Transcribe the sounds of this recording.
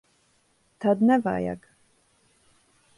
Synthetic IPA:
t̪ʰad̪nɛva̰ja̰ɡ

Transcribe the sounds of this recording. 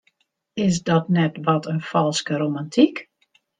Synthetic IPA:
ɪs̬dɔtnɛtʋɔtʰənfɔlˠskəɾomantʰik

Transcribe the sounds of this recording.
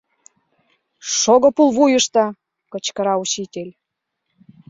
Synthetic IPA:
ʃoɣŏpulˠβujə̆ʃt̪ɤ̆ | kɤ̆t͡ɕkə̆ɾɑut͡ɕit̪ʲelʲ

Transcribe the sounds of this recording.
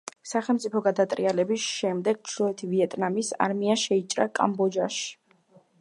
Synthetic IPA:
saχɛlˠmt̪sʼipʰɔɡad̪at̪ʼɾialɛbisʃɛmd̪ɛɡ̥̚t͡ʃʰlɔɛt̪ʰiviɛt̪ʼnamisa̰ɾmiaʃɛit͡ʃʼɾakʼa̰mbɔd͡ʒaʃi̥

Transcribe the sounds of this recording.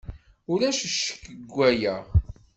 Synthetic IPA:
ʊlæʃəʃːə̥kːəɡʷːæjəʁ

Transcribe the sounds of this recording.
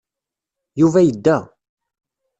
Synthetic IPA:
juvæjəd̪ːæ

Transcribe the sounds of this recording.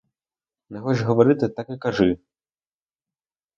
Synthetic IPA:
nɛxɔt͡ʃɦɔʋɔɾɪt̪ɪt̪akikɐʒɪ

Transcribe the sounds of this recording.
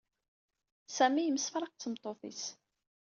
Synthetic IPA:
sæmijəməsfɾˤɑq̚t͡sːəmt̪ˤoθḭs

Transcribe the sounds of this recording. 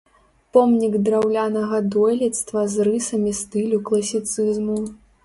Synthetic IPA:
pɔmnʲiɡd̪ɾawlʲanɐɣɐd̪ɔjlʲit̪st̪vɐzrɨsɐmʲist̪ɨlʲuklˠɐsʲit̪sɨzmu

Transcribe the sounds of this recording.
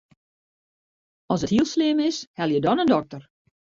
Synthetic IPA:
ɔsəthiəlˠslɪmɪshɛlˠjədɔnəndɔk̚tər

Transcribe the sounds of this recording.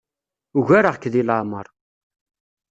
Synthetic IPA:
uʝæɾəʁkːðilaʕmə̰ɾˤ

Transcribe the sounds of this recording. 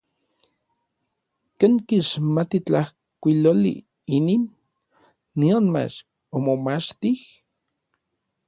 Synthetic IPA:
keŋkiʃmat̪it͡ɬah | kʷilolḭ | ininː | ionma̰t͡ʃ | omomat͡ʃt̪ih

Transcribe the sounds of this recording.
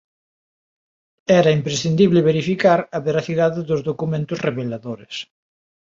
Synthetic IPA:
ɛɾɐimpɾesθind̪iβlɪβeɾifikaɾɐβeɾaθiðaðɪðozðokumẽnt̪ʊsreβelaðoɾḛs

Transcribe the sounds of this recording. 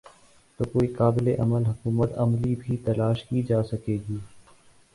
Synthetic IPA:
t̪oːkoːiːkaːbɪleʔəməlɦʊkuːmət̪ɐmliːbʱiːt̪əlaːʃkiːd͡ʒaːsəkeːɡiː

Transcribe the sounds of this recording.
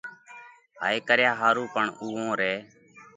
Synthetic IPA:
ɦa̰ːeːkəɾjaːɦaːɾũːpəɳuːõːɾeː

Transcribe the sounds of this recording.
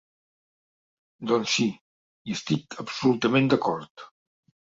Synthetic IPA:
d̪ɔnsi | iəst̪ikəpsulut̪əmẽnd̪əkɔɾt̪

